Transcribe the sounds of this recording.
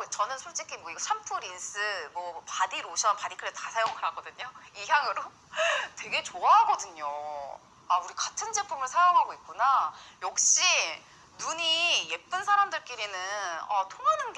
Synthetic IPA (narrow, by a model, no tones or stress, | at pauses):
t͡ɕʌnɯnsʰoɭt͡ɕ͈ikʰinoiɡʌt͡ɕʰampʰuɾins͈ɯmʌpadiɾoɕʰʌpadikʰɯɾestasʰajoŋɯɾɦaɡʌdɯɲoiçjaŋɯɾo | twe̞ɡe̞t͡ɕoaɦaɡʌdɯɲo | auɾikatʰɯnd͡ʑe̞pʰumɯɭsʰajaŋɦaɡoik͈̚unajʌk̚ɕ͈i | nuɲije̞p͈ɯnsʰaɾamdɯɭk͈eɾinɯnʌ̰tʰoŋanɯnɡe